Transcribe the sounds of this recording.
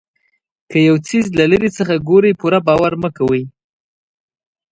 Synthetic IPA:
kəjawt͡sizlaləɾit͡səxaɡoɾəjpuɾabɑwaɾməkawəj

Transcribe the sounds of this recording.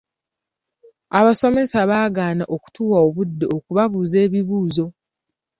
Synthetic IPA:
aβaso̞me̞saβaːɡaːnaʔoku̥tuːwaoβudːeokuβaβuːze̞ːβiβuːzo̞

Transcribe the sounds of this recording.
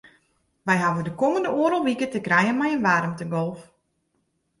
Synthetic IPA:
ʋɛjɦaʋədəkoməndəoəɾolˠʋikətəkrɛjənmɛjənʋarəmtəɡolˠf

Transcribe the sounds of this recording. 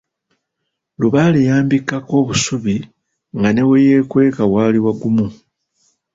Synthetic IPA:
luβalejaːmbikːako̞ːβusuβi | ŋɡane̞weje̞ːkwe̞ːkawaːliwaɡumu

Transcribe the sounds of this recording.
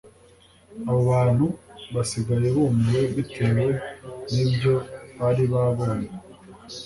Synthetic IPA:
aβo̞βaːn̥huβasiɡaje̞βomweβitʰe̞ːwwe̞nibjo̞βaɾiβaβoɲe

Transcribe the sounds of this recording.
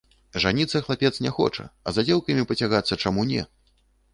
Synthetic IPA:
ʐanʲit̪sːɐxlˠapʲɛt̪snʲɛxɔ̰t͡ʂɐ̰ɐ̰zad͡zʲɛlˠkɐmʲipɐt͡sʲaɣat̪sːɐt͡ʂamunʲɛ̰

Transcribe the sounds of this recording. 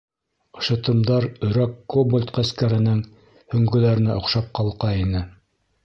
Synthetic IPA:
ɤ̥̆ʃɤ̆t̪ɤ̆md̪ɑɾɵ̆ɾækːobolʲt̪qæskæɾɘ̆nɘŋ | hɵ̆ŋɡɵ̆læɾɘ̆næʔŏqʃɑp̚qɑlˠqɑinɘ

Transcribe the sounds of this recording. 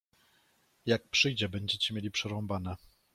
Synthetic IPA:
jak̚pʂɘjd͡ʑɛbɛɲd͡ʑɛt͡ɕɛmʲjelʲipʂɛɾɔmbanɛ

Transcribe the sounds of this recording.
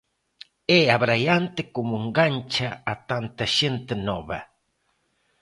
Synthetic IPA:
eaβɾajant̪ekomoŋɡant͡ʃaat̪ant̪aʃent̪enoβa

